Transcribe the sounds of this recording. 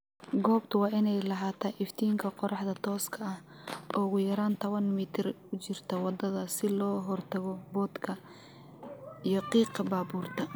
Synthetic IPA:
ɡɔːbt̪ʰʊwɑːʔɪnɛjlɐɦaːt̪ʰɐʔɪft̪ʰiːŋkʰɐqɔɾɑħd̪ɐt̪ʰɔːskʰɐɐh | ʔɔːɣʊjɐɾaːnt̪ʰɔβɐnmiːt̪ʰɪr | ʊt͡ʃɪrt̪ʰɔwɑd̪ɐðɐsɪlɔːɦɔrt̪ʰɐɣɔbɔːd̪kʰɐ | ijɞqiːqɐbaːbuːrt̪ʰɐ

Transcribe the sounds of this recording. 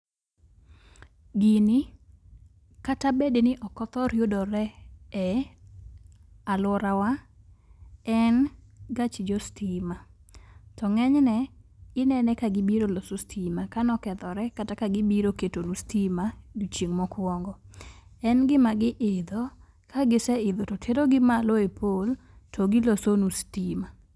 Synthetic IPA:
ɡini | katabednɪʔɔkɔt̪ɔɾjodɔɾɛɛ | alwɔɾawa | ɛn | ɡat͡ʃid͡ʒɔstʰima | tɔŋɛɲnɛɪnɛnɛkaɡɪbiɾolosostʰimakanɔkɛd̪ɔɾɛkatakaɡɪbiɾoketonustimadut͡ʃeŋmɔkwɔŋɡɔɛnɡɪmaɡɪʔɪd̪o | kʰaɡɪsɛɪd̪ototʰeɾoɡɪmaloepʰol | tʰɔɡɪlosonustima

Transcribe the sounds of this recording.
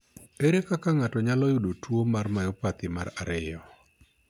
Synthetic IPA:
eɾekakaŋatɔɲalɔjʊdotwomarmajɔpat̪ɪmaɾaɾɪjɔ

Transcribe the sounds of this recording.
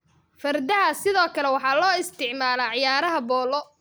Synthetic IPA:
fɐrd̪ɐɦɐsɪðɔːkʰɐlɛwɑħɑːlɔːɪst̪ʰɪʕmaːlɐʕɪjaːɾɐɦɐbɔːlɔ

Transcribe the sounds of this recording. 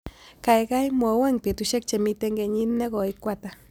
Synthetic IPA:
kajɡajmowaŋpit̪uʃek̚t͡ʃemit̪eŋɡeɲinːeɡoikʷat̪a

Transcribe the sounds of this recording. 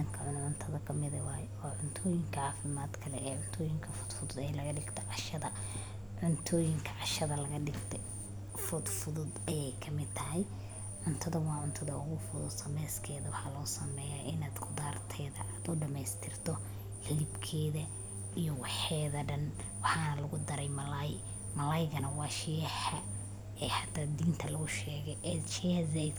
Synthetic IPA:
ɐŋkʰɐʕʊnʕʊnt̪ʰɐðɐkʰɐmɪðɐwɑːjwɑːʕʊnt̪ʰɔːjɪŋkʰɐʕɑːfɪmaːd̪kʰɐlɛɛːʕʊnt̪ʰɔːjɪŋkʰɐfʊ̥d̪fʊðʊd̪ɛːjlɐɣɐɖɪɡt̪ʰɔʕɑʃɐðɐ | ʕʊnt̪ʰɔːjɪŋkʰɐʕɑʃɐðɐlɐɣɐɖɪɡt̪ʰɛ | fʊd̪fʊðʊd̪ɐjɛjkʰɐmɪd̪̚t̪ʰɐɦɛj | ʕʊnt̪ʰɐðɐwɑːʕʊnt̪ʰɐðɐʊɣʊfʊðʊd̪sɐmɛːskʰɛːðɐwɑħɑlɔːsɐmɛːjaʔɪnaːd̪ɡʊðaːrt̪ʰɛːðɐaːd̪ʊɖɐmɛjst̪ʰɪrt̪ʰɔ | hɪlɪbkʰɛːðɐ | ijɔwɑħɛːðɐɖɐn | wɑħɑːnɐlɐɣʊd̪ɐɾɛjmɐlɐj | mɐlɐjɣɐnɐwɑːʃɪjhɐ | ɛːhat̪ʰad̪iːnt̪ʰɐlɐɣʊʃɛːɣɛʔɛʃihzɛɪd̪

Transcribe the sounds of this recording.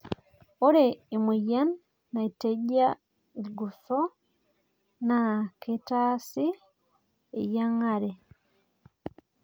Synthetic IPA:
oɾeimijanː | aiteɟa | eɡuso | nakʰetasi | ḛjaŋaɾe

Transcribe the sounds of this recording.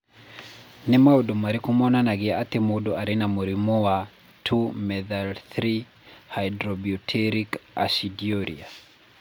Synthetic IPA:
nɪmaodomaɾikumɔnanaɡiatemodoʔaɾinamoɾimuwa | tʰumɛðalθɾi | hajdɾɔbiɔtʰɛɾika̰sidiɔɾḭa

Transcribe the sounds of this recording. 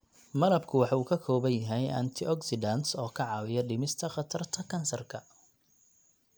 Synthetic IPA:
mɐlɐbkʰʊwɑħuːkʰɐkʰɔːβɐnjɐɦɛjʔɐ̰nt̪ʰɪʔɔksɪdɐnsɔːkʰɐʕɑːwɪjɐɖɪmɪst̪ʰɐχɑt̪ʰɐrt̪ʰɐkʰɐnsɐrkʰɐ

